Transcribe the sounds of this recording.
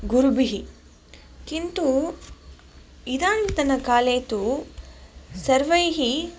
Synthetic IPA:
ɡuɾubiɦi | kint̪u | id̪aːnt̪ɐnɐkaːleːt̪u | sɐɾʋɐjɦi

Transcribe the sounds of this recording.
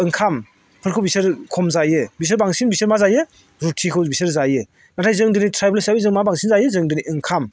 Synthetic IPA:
ɯŋkʰam | pʰɯɾkʰɯwbisɯɾkʰɔmzajɯbis̬ɯɾbaŋsinbisɯɾmazajɯ | ɾutʰikʰɯwbisɯɾzajɯ | natʰajzɯŋdɯnitʰɾajblsabizɯŋmabaŋsinzajɯzɯŋdɯniʔɯŋkʰam

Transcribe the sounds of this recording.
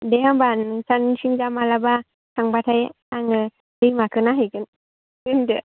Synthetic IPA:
deɦambansansiŋd͡ʒamalaba | sʰaŋbatʰaj | aŋɯ | dɯjmakʰɯnaɦɯjɡɯn | ɡɯndɯ

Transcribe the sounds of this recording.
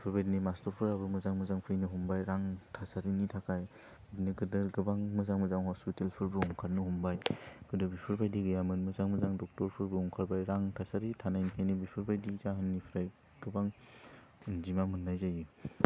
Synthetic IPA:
bipʰɯɾbajdinimastɔɾpʰɯɾabɯmɯzaŋmɯzaŋpʰɯjnɯɦumbajɾaŋtʰasaɾinitʰakʰaj | bdniɡɯdɯɾɡɯbaŋmɯzaŋmɯzaŋhɔspitelpʰɯɾbɯɔŋkʰaɾnɯhumbajɡ̥ɯdɯbipʰɯɾbajdiɡɯjamɯnmɯzaŋmɯzaŋdɔk̚tɔɾpʰɯɾbɯɔŋkʰaɾbajɾaŋtʰasaɾitʰanajnkʰajnibipʰɯɾbajdizaɦɯnːipʰɾaj | ɡ̥ɯbaŋ | zimamɯnːajzaji

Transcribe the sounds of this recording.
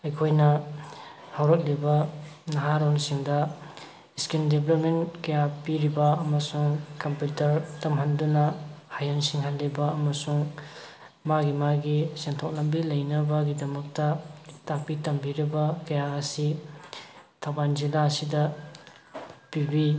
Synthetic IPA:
ɐjkʰojnɐ | hawɾɐt̚libɐnɐɦaɾonsiŋdɐ | skindeblop̚menkɐjapiɾibɐɐmɐsuŋkɐmputɐɾtɐmɦandunɐhajansiŋɦanlibɐːmɐsuŋ | maɡimaɡisentʰok̚lɐmbilɐjnɐbɐɡidɐmɐk̚tɐtak̚pitɐmbiɾibɐkɐjaɐsi | tʰawbanzilaɐsidɐ | pibi

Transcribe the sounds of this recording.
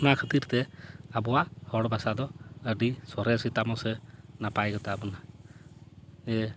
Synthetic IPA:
nakʰət̪iɾt̪ɛabɔahɔɽbasad̪ɔəɖisɔɾɛsit̪amɔsɛnapajɡɔt̪abɔna | ɛ

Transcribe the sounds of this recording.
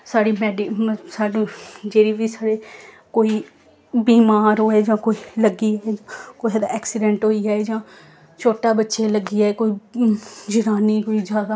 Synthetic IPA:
saːɽiːmɛːɖisaːɖõːd͡ʒeːɾiːʋiːsaːɽeː | koːiː | biːmaːɾɦoːeːd͡ʒãːkoːiləɡiːaːed͡ʒãːkoːiɛːd̪a̰ːʔɛːksɪɖɛ̃ɳʈɦoːiːaːeːd͡ʒãː | t͡ʃʰoːʈaːbətːʃeːləɡiːaeːkoːi | d͡ʒɪɾaːniːkoːiːd͡ʒaːd̪aː

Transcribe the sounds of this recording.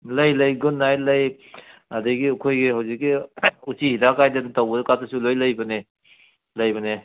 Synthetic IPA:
lɐjlɐjɡunːajlɐj | ɐdɐɡiɐkʰojɡihawzikːiusihidakajdɐntawbɐdɐkatɐsulojlɐjbɐne | lɐjbɐne

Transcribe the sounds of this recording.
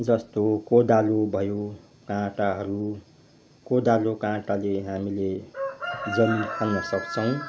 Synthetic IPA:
d͡zʌst̪okod̪alobʱʌjo | kãʈaɦʌɾu | kod̪alokãʈaleɦamile | d͡zʌmkʰʌnnʌsʌkt͡sʰʌw̃

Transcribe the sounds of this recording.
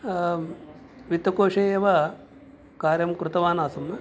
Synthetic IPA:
ʋit̪ːɐkoːʂɐjeːʋɐ | kaːɾjɐmkɾɨt̪ɐʋaːnaːsɐmnɐ

